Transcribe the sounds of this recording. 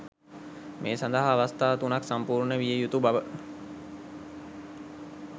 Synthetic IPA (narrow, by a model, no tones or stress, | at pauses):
mʔeːsand̪əɦaːʋast̪aːt̪unaksampuːɾɳəʋijəjut̪ubaʋə